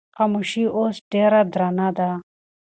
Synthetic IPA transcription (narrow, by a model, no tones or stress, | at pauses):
qɐmuɕioːsɖeːɾad̪ɾanad̪a